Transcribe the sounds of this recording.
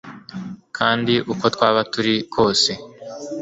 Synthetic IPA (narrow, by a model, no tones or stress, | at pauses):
kʰaːndiʔuko̞t̪kwaːβatuɾikʰo̞ːse̞